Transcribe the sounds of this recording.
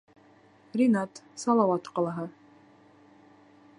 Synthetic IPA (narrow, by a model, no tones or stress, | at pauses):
rʲinɑt̪sɑlˠɑwɑt̪qɑlˠɑɦɤ